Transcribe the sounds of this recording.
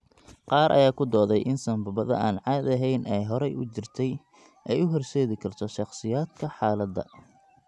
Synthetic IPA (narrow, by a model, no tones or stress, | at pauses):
qɑːɾʔɐ̰jaːkʰʊd̪ɔːðɛjʔɪnsɐmbɐβɐðɐ̰ʔaːnʕɑːd̪ɐɦɛjnʔɛjɦɔɾɛjʔʊt͡ʃɪrt̪ʰɛj | ʔɛjʊɦɔrsɛːðɪkʰɐrt̪ʰɔʃɑχsɪjaːd̪kʰɐħɑːlɐd̪ːɐ̰